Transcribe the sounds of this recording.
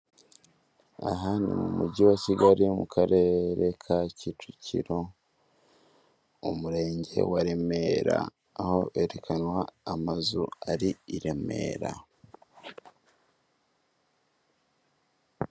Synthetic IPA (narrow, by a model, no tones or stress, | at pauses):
a̰ɦanimumuɟiwaciɡaɾimukʰaɾe̞ɾe̞kʰacitʰucḭɾo̞ | omuɾe̞ːɲɟe̞̰waɾe̞me̞ɾa̰ː | ho̞ʔeɾekʰanwaːmazuaɾiiɾe̞me̞̰ːɾa